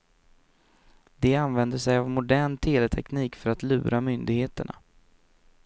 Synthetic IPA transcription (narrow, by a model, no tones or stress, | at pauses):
d̪ɛanvɛnd̪əsɛjavmʊd̪æːɳt̪ʰeːlɛt̪ʰɛkniːkfœɾat̪lʉ̟ːɾʔamʏnd̪ɪɡheːt̪əɳa̰